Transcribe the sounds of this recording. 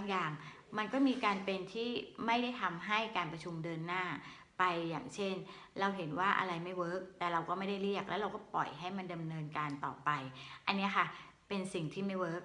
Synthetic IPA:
a˦˥ŋjaː˨˩ŋ | ma˧nkɔː˥˩miː˧kaː˧npe˧nt̪ʰiː˥˩ma˥˩jda˥˩jt̪ʰa˧mɦa˥˩jkaː˧npɾa˧t͡ɕʰu˧mdɤː˧nːaː˥˩ | pa˧jːa̰ː˨˩ŋt͡ɕʰe˥˩n | ɾa˧wɦe˩˦nwaː˥˩ʔa̰˧ɾa˧jma˥˩jwɤː˦˥k̚t̪ɛː˨˩ɾa˧wkɔː˥˩ma˥˩jda˥˩jɾi˥˩ɐk̚lɛː˦˥wɾa˧wkɔː˥˩pɔ̰˨˩jɦa˥˩jma˧nda˧mnɤː˧nkaː˧nt̪ɔ̰ː˨˩pa˧jʔa˧nːi˦˥ɐkʰa˥˩ | pe˧nsi˨˩ŋt̪ʰiː˥˩ma˥˩jwɤː˦˥k̚

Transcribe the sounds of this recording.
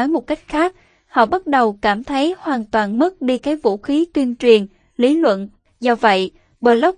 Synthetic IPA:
mo˨˩t̚ka˦˥jk̟̚xaː˦˥k̚ | hɔ̰˧˨ɓə˦˥t̚ɗə˨˩wkaː˧˩mt̪ʰə˨˦jhwaː˨˩nt̪waː˨˩nmə˦˥t̚ɗi˧kaː˨˦jvṵ˧˥xi˨˦t̪wi˧ənt͡ɕwi˨˩ən | li˨˦lwə̰˧˨n | zɔ˧wvə̰˧˨j | ɓəː˨˩lə˦˥k͡p̚

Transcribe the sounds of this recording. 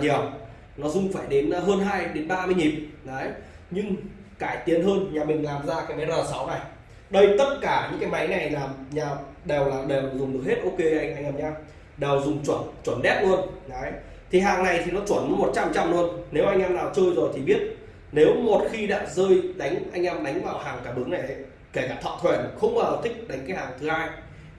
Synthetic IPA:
ɲi˨˩əw | nɔ˨˦zʊ˧ŋ͡mfaː˧˩jɗe˨˦n˧ɦəː˧nɦaː˧jɗe˨˦nɓaː˧mɨ˧ɲi˨˩p̚nɔ˨˦j | ɲɨ˧ŋ | kaː˧˩jt̪i˨˦ənɦəː˧nɲaː˨˩mï˨˩ŋ̟laː˨˩mzaː˧kaː˨˦jmaː˨˦zəː˨˩sa˨˦wna˨˩j | ɗə˧jt̪ə˦˥t̚kaː˧˩ɲɨ̰˧˥ŋkaː˨˦jma˨˦jna˨˩jlaː˨˩mɲaː˨˩ | ɗɛ˨˩wlaː˨˩ɗɛ˨˩wzʊ˨˩ŋ͡mɗəkhe˦˥t̚ʔo˧ke˧ʔa˧jŋʔa˧ŋʔaː˧˩mɲaː˧m | ɗɛ˨˩wzʊ˨˩ŋ͡mt͡ɕwə˧˩nt͡ɕwə˧˩nɗɛ˦˥p̚lu˧ənʔj | t̪ʰi˨˩ɦaː˨˩ŋna˨˩jt̪ʰi˨˩nɔ˨˦t͡ɕwə˧˩nmə˨˦mo˨˩t̚t͡ɕa˧mt͡ɕa˧mlu˧ənne˨˦wʔa˧jŋʔɛː˧mnaː˨˩wt͡ɕəː˧jzo˨˩jt̪ʰi˨˩ɓi˦˥ət̚ | ne˨˦wmo˨˩t̚xi˧ɗa̰ː˧˥zəː˧jɗa˨˦jŋ̟ʔa˧jŋʔɛ˧mɗa˨˦jŋ̟vaː˨˩whaː˨˩ŋkaː˧˩ɓɨ˨˦əŋna˨˩jʔə˨˦j | ke˧˩kaː˧˩t̪ʰa̰ː˧˨t̪ʰwɛ˧˩nxə˧wŋ͡mɓəː˨˩za˨˩wt̪ʰï˦˥k̟̚ɗa˨˦jŋ̟kaː˨˦jhaː˨˩ŋt̪ʰɨ˨˦haː˧j

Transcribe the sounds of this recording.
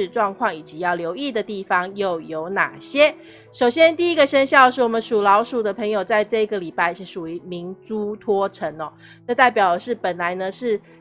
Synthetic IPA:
ɻ̩˥˧ʈ͡ʂwɑ˥˧ŋkʰwɑ˥˩ŋi˨˩t͡ɕi˧˦˥jɑ˥˩ʊljo˧˥ʊi˥˩d̪ə˩t̪i˥˩fɑ˦ŋjo˥˩ʊjo˧˥ʊna̰˨˩ɕjɛ˦˥ | ʂo˨˩ʊɕjɛ˥nt̪i˥˩i˧˥ɡə˨˧ʂə˥ŋɕjɑ˥˧ʊʂɻ̩˥˩wɔ˨˩mə˨˦nʂu˨˩lɑ˧˥ʊʂu˨˩d̪ə˦pʰə˧˥ŋjo˨˩ʊt͡sa˥˧ɪʈ͡ʂɤ˥˧i˧˥ɡə˨li˨˩pa˥˧ɪʂɻ̩˥˩ʂu˨˩y˧˥mi˧˥nt͡su˥t̪ʰwɔ˥ʈ͡ʂʰə˧˥ŋɔ˨˦ | nə˥˧t̪a˥˩ɪpjɑ˨˩ʊd̪ə˩˦ʂɻ̩˥˩pə˨˩nla˧˦ɪnə˧ʂɻ̩˥˩

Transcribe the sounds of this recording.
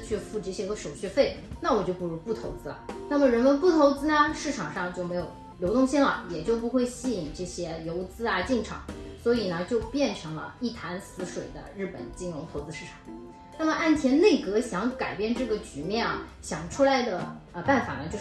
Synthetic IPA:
t͡ɕʰɥy˥˧fu˥˩ʈ͡ʂɤ˥˩ɕjɛ˥xɤ˧˥ʂo˨˩ʊɕɥɛ˥˧fe˥˩ɪna˥˩wɔ˨˩t͡ɕjo˥˧ʊpu˥˩ɻu˧˥pu˥˩t̪ʰo˧˥ʊt͡sɹ̩˧˥lɐ̰˨˩na˥˩mə˩ɻə˧˥nmə˧npu˥˩t̪ʰo˧˥ʊt͡sɹ̩˥nə˧ʂɻ̩˥˩ʈ͡ʂʰɑ˨˩ŋʂɑ˥˧ŋt͡ɕjo˥˩ʊme˧˥ɪjo˨˩ʊ | ljo˧˥ʊt̪ʊ˥˧ŋɕi˥nlɐ̰˨˩jɛ˨˩t͡ɕjo˥˩ʊpu˧˥xwe˥˧ɪɕi˥˩i˨˩ŋʈ͡ʂɤ˥˩ɕjɛ˥jo˧˥ʊt͡sɹ̩˥ɐ˨t͡ɕi˥˩ŋʈ͡ʂʰɑ̰˨˩˦ŋswɔ˧˥i˨˩nə˦t͡ɕjo˥˧ʊpjɛ˥˩nʈ͡ʂʰɤ˧˥ŋlə̰˧i˥˩t̪ʰa˧˥nsɹ̩˧˥ʂwe˨˩ɪd̪ə̰˦ɻɻ̩˥˩pə̰˨˩˦nt͡ɕi˥˩nɻʊ˧˥ŋt̪ʰo˧˥ʊt͡sɹ̩˥ʂɻ̩˥˩ʈ͡ʂʰɑ̥˨˩˦ŋ | na˥˩mə˩ʔa˥˩nt̪ʰjɛ˧˥nne˥˩ɪkɤ˧˥ɕjɑ˧˥ŋka˨˩ɪpjɛ˥˧nʈ͡ʂɤ˥˩ɡə˩t͡ɕy˧˥mjɛ˥˩na˩ɕjɑ˨˩ŋʈ͡ʂʰu˥la˧˥ɪd̪ə˧ə˧pa˥˩nfa̰˨˩nə˦t͡ɕjo˥˧ʊ

